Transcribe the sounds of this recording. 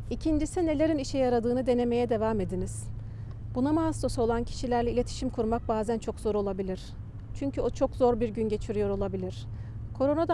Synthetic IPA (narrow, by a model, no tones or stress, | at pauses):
icʰind͡ʒisine̞lʲe̞ɾiniʃɛjaɾad̪ɯːnɯd̪e̞ne̞me̞jɛd̪e̞vaːme̞d̪iniz̥ | b̥unamast̪o̞suo̞lˠancʰi̥ʃilʲæɾlʲɛilʲe̞t̪ʰi̥ʃimkʰuɾmak̚baːzænt͡ʃʰo̞kz̥o̞ɾo̞lˠabilʲiɾ̥ | t͡ʃʰyɲcʰyo̞t͡ʃʰo̞kzo̞ɾbiɾɟynɟe̞t͡ʃʰiɾyijo̞ɾo̞lˠabilʲiɾ̥kʰo̞ɾo̞nad̪a